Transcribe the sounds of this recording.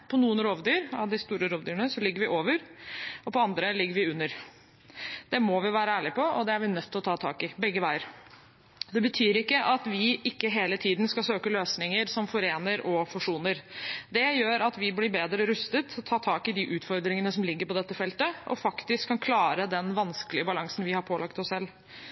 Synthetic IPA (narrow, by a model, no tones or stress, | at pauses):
pʰɔnuːənɾoːʋd̪yːɾɑ̰ʋd̪ɪst̪uːɾəɾoːʋd̪yːɾəɳəsɔlɪɡːəɾʋɪʔoːʋəɾɔpɔɑnd̪ɾəlɪɡːəɾʋɪʉnːəɾ | d̪̥ɛmɔʋɪʋæːɾəæːɭɪpɔɔd̪ɛæɾʋɪnœt̪ʰːɪlɔt̪ʰɑːt̪ʰɑ̰ːkɪbɛɡːəʋæɪəɾ | d̪ɛbət̪ʰyːɾɪkːəʔɑt̪ʋɪʔɪkːəɦeːlət̪ʰiːd̪nskɑsøːkəløːsnɪŋəɾsɔmfɔɾeːnəɾɔfʉʂuːnəɾd̪ɛjøːɾɑt̪ʋɪblɪbeːd̪ɾəɾʉst̪ət̪ʰɔt̪ʰɑːt̪ʰɑːkɪd̪ɪʔʉːt̪fɔɾd̪ɾɪŋənəsɔmlɪɡːəɾpɔd̪ɛt̪ːəfɛlt̪əʔɔ̰fɑkt̪ɪskʰːɑnkʰlɑːɾəd̪ɛnʋɑnsklɪəbɑlɑŋsn̩ʋɪhɑɾpʰoːlɑkt̪ɔssɛlː